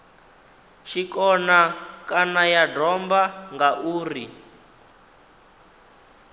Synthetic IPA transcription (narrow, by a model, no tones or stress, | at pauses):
ʃikɔnakanajadɔmbaŋɡaʔuːri